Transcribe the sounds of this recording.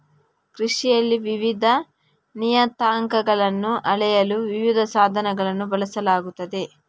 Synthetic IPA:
kɾiʂijɐlːiʋiʋid̪ʱɐ | nijɐt̪aːŋkɐɡɐɭɐnːuʔɐɭɛjɐluʋiʋid̪ʱɐsaːd̪ʱɐnɐɡɐɭɐnːubɐlɐsɐlaːɡut̪ːɐd̪e̞

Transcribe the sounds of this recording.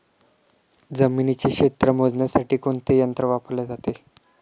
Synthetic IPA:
d͡zəminit͡ɕekɕet̪ɾəmod͡znjasaʈiːkoɳt̪ejənt̪ɾəʋapəɾled͡zat̪e

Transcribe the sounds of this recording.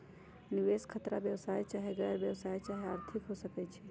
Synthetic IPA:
nɪʋeskʰət̪ɾabjəʋsaːjt͡ʃaːɦeɡɛːɾʋjəʋsaːjt͡ʃaːɦeəɾt̪ʰɪkɦosəket͡ʃʰe

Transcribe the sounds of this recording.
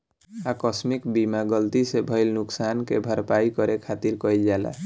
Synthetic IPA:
akɔsmikbimaɡʌlt̪isebʱʌjlnuksankebʱəɾpajkʌɾekʰat̪iɾkʌjld͡ʒala̰

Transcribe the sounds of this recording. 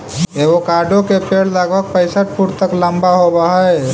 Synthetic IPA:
eʋokaɖʱokepeɽləɡbʱək̚pəɪsəʈ̚puɾt̪əkləmbaɦobaɦə

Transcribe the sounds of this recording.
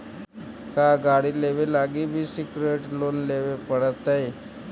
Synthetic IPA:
kaɡaɽiːleʋelaɡiːbʱiːsikɾeʈlonleʋepəɽət̪aɦe

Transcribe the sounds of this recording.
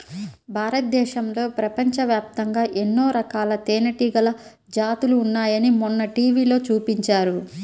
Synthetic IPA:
bʱaːɾɐt̪̚d̪ɛːʃɐmlo̞ːpɾɐpɐɲt͡ʃɐʋjaːp̚t̪ɐŋɡaːʔenːo̞ːɾɐkaːlɐt̪eːnɐʈiɡɐlɐ | d͡ʒaːt̪uluːnːaːjɐnimunːɐʈiːʋiːlo̞ːt͡ʃuːpiɲt͡ʃaːɾu

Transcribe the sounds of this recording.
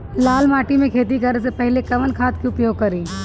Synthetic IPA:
laːlmaːʈimẽkʰeːt̪ikɐɾesepɐɦlekɐʋənkʰaːt̪kiʊpjoːɡ̚kɐɾiː

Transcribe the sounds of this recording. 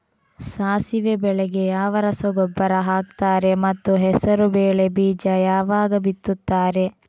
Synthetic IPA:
saːsiʋebɛɭeɡe̞jaːʋɐɾɐsɐɡɔbːɐɾɐɦaːk̚t̪aːɾe̞mɐt̪ːuɦɛsɐɾubeːɭe̞biːd͡ʒɐjaːʋaːɡɐbit̪ːut̪ːaːɾe̞

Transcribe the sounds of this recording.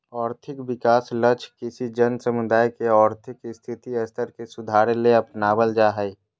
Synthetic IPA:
ɔːɾt̪ʰɪkbɪkaːslət͡ʃʰkɪsid͡ʒənsəmʊd̪ʱaːjkeɔːɾt̪ʰɪkɪst̪ʰɪt̪iəst̪ʰəɾkesʊd̪ʱaːɾeleəpnaːbəld͡ʒaɦəi

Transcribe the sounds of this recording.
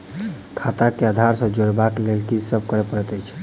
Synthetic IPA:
kʰat̪akeəd̪ʱaɾsə̃d͡ʒoɽbaklelkid͡ʒsəb̚ʱkəɾepəɾət̪əjt͡ʃʰ

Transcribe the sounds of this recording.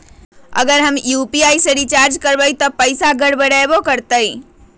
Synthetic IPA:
ə̰ɡəɾɦəmjupiajsəɾit͡ʃaɾd͡ʒkəɾbəjt̪ɔpəɪsaɡəɽbəɽajbokəɾt̪əj

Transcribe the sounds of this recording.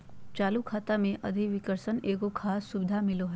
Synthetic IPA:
t͡ʃaːlukʰaːt̪amẽʔɐd̪ʱiʋɪkəɾsəneːɡokʰaːsːʊbɪd̪ʱamɪloɦɛː

